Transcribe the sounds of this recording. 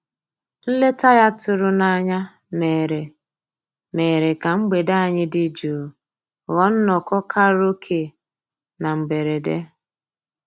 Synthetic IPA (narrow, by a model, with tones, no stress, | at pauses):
n̩˦le˦ta˦ja˦tʊ˨ɾʊ˨na˦˨ɲa˦ | me˨ɾe˨ | me˨ɾe˨ka˨ŋ͡m̩˦ɡ͡be˨da˦a˨ɲɪ˦dɪ˦d͡ʒuː˨ | ɣɔ˦n̩˦nɔ˨kɔ˦kʰa˦ɾo˦kʰe˨ | na˨ŋ͡m̩˨ɡ͡be˨ɾe˨dḛ˦